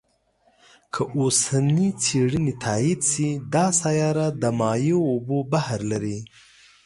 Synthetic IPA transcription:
kʰəʔosanit͡seɽənit̪ʰɑid̪sid̪ɑsajɑɾad̪əmɑjoːbobahɾlaɾi

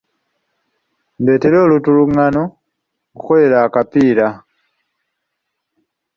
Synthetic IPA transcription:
mbe̞ːteloːlutuluŋano | uxole̞laːkapiːɾa

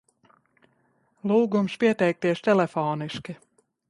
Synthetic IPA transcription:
lˠuːɡumspiɛt̪ɛjk̚t̪iɛst̪ɛlʲɛfɔːniʃkʲi

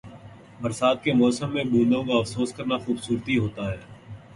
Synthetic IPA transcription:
bɐɾsaːt̪̚kemɔːsəmːẽbũːnd̪õkaɐfsoːskɐɾnaxuːbsuːɾt̪iɦoːt̪aɦɛː

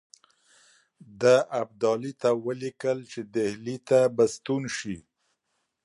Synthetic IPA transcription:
d̪aʔab̚d̪ɑlit̪awəlikəlt͡ʃed̪ehlit̪abast̪unʃi

